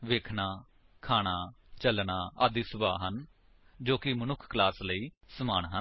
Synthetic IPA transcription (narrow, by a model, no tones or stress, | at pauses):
ʋeːkʰnaː | kʰaːɽ̃aː | t͡ʃəlnaːaːd̪iːsʊbaːɦən | d͡ʒoːkɪmənʊkʰklaːsləiːsəmaːɳɦən